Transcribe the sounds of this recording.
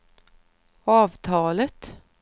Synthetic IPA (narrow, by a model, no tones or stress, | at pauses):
ɑːʋt̪ʰɑːlət̪